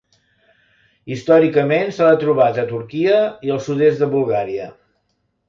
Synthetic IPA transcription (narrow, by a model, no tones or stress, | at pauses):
ist̪ɔɾikəmensaət̪ɾuβat̪ət̪uɾkiəiəlˠsuðesd̪əβulˠɣaɾiə